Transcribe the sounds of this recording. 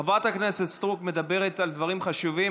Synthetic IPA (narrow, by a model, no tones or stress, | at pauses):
avat̪hakneset̪st̪ʁukme̞d̪abe̞ʁet̪ald̪vaʁimχaʃuvi